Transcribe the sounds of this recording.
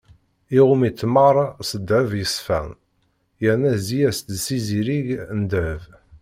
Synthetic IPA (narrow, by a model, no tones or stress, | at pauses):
iʁumit͡s̪ːməɾˤsəd̪ævjəsfæ̰n | jəɾnæzijæst̪siziɾiʝnd̪æv